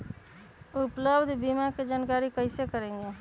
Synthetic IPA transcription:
ʊpləbd̪ʱbimaked͡ʒaːnkaːɾikəɪsekəɾẽːŋɡe

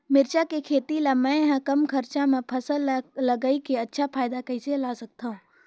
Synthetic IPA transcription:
mɪɾt͡ʃakekʰeːt̪ilamɛ̃ɦãkɐmkʰəɾt͡ʃãmẽpʰɐsəlləɡaikeɐtːʃʰapʰaːɪd̪akəiselasək̚t̪aɦũː

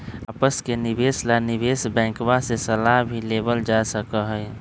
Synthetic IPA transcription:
əpəskenɪbeːslanɪbeːsbɛ̃ːŋkbasesəlaɦbʱileːbəld͡ʒasəkəɦɛj

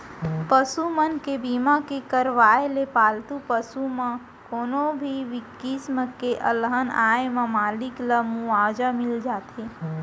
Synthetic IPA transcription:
pəsumənkebiːmakekəɾʋaːelepaːlt̪upəsumã | koːnobʱiʋɪkisməkeʔə̰lɦənaːemãmaːlɪkləmuaːd͡ʒamɪld͡ʒaːt̪ɦeː

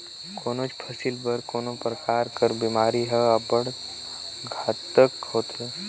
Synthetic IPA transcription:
koːnot͡ʃpʰɐsilbəɾkoːnopɾəkaːɾkəɾbiːmaːɾiɦɛəbəɽ | ɡʱaːt̪əkɦoːt̪ɦe

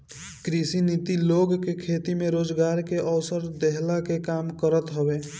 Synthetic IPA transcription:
kɾisinit̪iloɡkekʰet̪imeɾod͡ʒɡaɾkeʔəwsəɾd̪eɦlakekamkəɾət̪ɦəbe

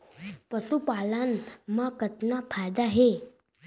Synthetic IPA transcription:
pəsupalanmakət̪napʰajd̪aɦe

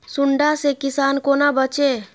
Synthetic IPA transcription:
suɳɖasekisankonabət͡ʃe

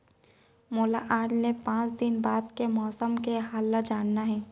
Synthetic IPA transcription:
moːlaʔaːɖnepãːt͡ʃd̪ɪnbaːd̪kemɔːsəmkeɦaːlːad͡ʒaːnnaɦɛː

